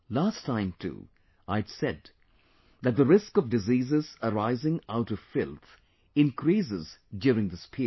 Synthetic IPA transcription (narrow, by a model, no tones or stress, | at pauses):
lastʰːãɪ̃mtʰṵ | aɪdsɛd̪̚ | ðæt̪̚d̪əɾɪskʌvdɨziːzɨzəɾaɪzɪ̃ŋaʊɾʌv̥fɪlˠt̪ | ɨ̃nkɾisɪzdjuɾɪ̃ŋd̪ɪspʰi